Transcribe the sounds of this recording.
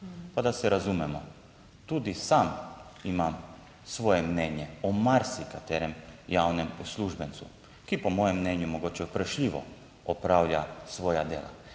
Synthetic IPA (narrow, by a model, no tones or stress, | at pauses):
pad̪asɛɾazumɛmɔ | t̪uːd̪isaːmimam | sʋoːjɛmnɛnjɛɔmaɾsikat̪ɛːɾɛmjawnɛmusluʒbɛnsṵ | kipɔmojɛmːnɛnjumoɡot͡ʃɛupɾəʃʎʲiʋɔ̰ | ɔpɾaːwʎʲasʋoːjad̪jḛːla̰